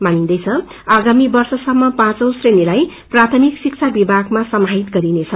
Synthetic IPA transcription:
manind̪ʌjt͡sʰʌ | aɡamibʌrsʌsʌmːʌpãt͡sʌw̃srenilajprat̪ʰʌmiksik̚t͡sʰabibʱaɡmasʌmaɦit̪ɡʌɾinet͡sʰʌ

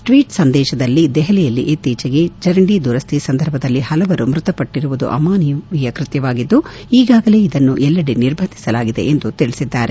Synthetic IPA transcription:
ʈʋiːʈsɐnd̪ɛːʃɐd̪ɐlːid̪ɛɦɛlɛjɐlːḭʔet̪ːiːt͡ʃɐɡe̞d͡ʒɐɾɐɳɖid̪uɾɐst̪ʰisɐnd̪ʱɐɾbʱɐd̪ɐlːihɐlɐʋɐɾumɾut̪ɐpɐʈːiɾuʋud̪ṵʔɐ̰maːnijuʋijɐkɾɪt̪jɐʋaːɡid̪ːu | iːɡaːɡɐleːid̪ɐnːuʔɛlːɐɽiniɾbʱɐnd̪ʱisɐlaːɡid̪e̞̰ʔend̪ut̪iɭisid̪ːaːɾe

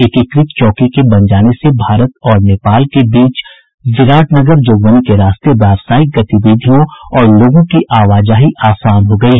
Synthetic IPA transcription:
ɪkɪkɾɪt̪t͡ʃɔːkikebɐ̃nd͡ʒaːnesebʱaːɾət̪ɔːɾneːpaːlkebiːt͡ʃ | zɪɾaːʈnɐɡəɾd͡ʒoːɡʋənikeɾaːst̪ebɛːʋsaːɪk̚ɡɐt̪ibiːd̪ʱijõɔːɾloːɡõkiʔaːʋaːd͡ʒaːɦiʔaːsaːnɦoɡɐiɦɛ

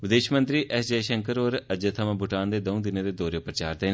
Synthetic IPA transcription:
ʋɪd̪eːʃmə̃nt̪ɾiːʔɛsd͡ʒeːʃəŋkəɾoːɾəd͡ʒət̪ʰəmãːbʱʊʈaːnd̪eːd̪oũd̪ɪnẽːd̪eːd̪oːɾeːpɾət͡ʃaːɾd̪eːn

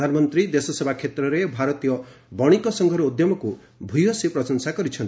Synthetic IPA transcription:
d̪ʱanmɔnt̪ɾid̪esɔsebʱakʰet̪ɾɔɾebʱaɾɔt̪ijɔ | bɔɽ̃ikɔsɔŋɡʱɔɾɔod̪jɔmɔku | bʱujɔsepɾɔsɔnsakɔɾit͡ʃʰɔnt̪

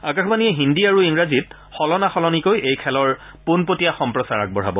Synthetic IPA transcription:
akaxʰbaniɛɦindiaɹuiŋɹazit | xɔlɔnaxɔlɔnikojʔejkʰɛlɔɹ | punpotijaxɔmpɹɔsaɹa̰k̚bɔɹ̤a̰bɔ

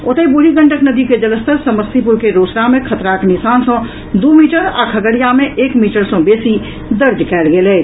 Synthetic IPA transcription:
ʊt̪əibʊɾiɡə̃ɳʈəknəd̪iked͡ʒələst̪əɾsəməst̪ipuɾkeɾoːsɾamẽkʰət̪ɾaknɪsaːnsə̃ | d̪uːmiːʈəɾa̰ːkʰəɡəɽijamẽʔeːkmiːʈəɾsɔ̃beːsi | d̪əɾd͡ʒ̪kɛːlɡelɛː

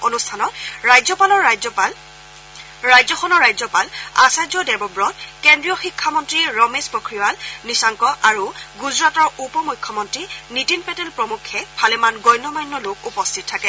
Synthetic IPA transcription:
onustʰanɔtɹajzɔpalɔɹ | ɹajzɔxʰɔnɔɹːajzɔpala̰sajzɔdɛbɔbɹɔtkɛndɹiɔxikʰːamɔntɹiɹɔmespɔkɹiʋalnisaŋkɔʔaɹuɡuzɹatɔɹupɔmujkʰːɔmɔntɹinitinpɛtɛlpɹɔmukʰːɛpʰalɛmanɡɔjnɔmajnːɔlʊkupɔstʰit̚tʰːakɛ

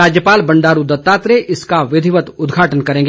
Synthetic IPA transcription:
aːd͡ʒjəpaːlbɐ̃ɳɖaːɾud̪ɐt̪ːaːt̪ɾeʔɪskaʋɪd̪ʱɪʋət̪ʊd̪ɡʱaːʈənkɐɾẽːŋɡ

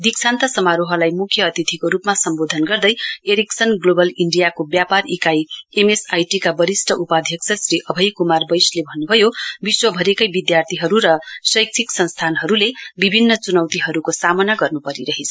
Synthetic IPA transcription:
d̪iksʰant̪ʌsʌmaɾoɦʌlajmukʰjʌːt̪it̪ʰikoɾupmasʌmbod̪ʱʌnɡʌrd̪ʌjeɾiksʌnɡlobʌliɳɖijakobjaparikajemesajʈikabʌɾisʈʰʌupad̪ʱjʌkt͡sʰʌsriʔʌbʱʌjkumarbʌjslebʱʌnːubʱʌjobiswʌbʱʌɾekʌjbid̪jart̪ʰiɦʌɾuɾʌsʌjk̚t͡sʰiksʌnst̪ʰanɦʌɾulebibʱinːʌt͡sunʌwt̪iɦʌɾukosamʌnaɡʌrnupʌɾiɾʌɦet͡sʰ

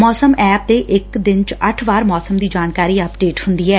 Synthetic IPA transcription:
mɔːsəmɛːp̚d̪eːʔɪkd̪ɪnt͡ʃəʈʰʋaːɾmɔːsəmd̪iːd͡ʒaːnkaːɾiːəpɖeːʈhʊnd̪iːɛː

